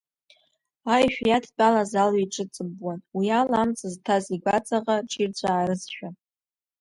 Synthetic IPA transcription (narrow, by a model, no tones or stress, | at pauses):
ajʃᶣjatʰt͡pʼalazaliʈ͡ʂʼɨt͡sʼɨbwanwialamt͡sʼɨztʰaziɡʷat͡sʼaqʼaʈ͡ʂʰirt͡ɕʷʰʼaːɾɨzʃᶣa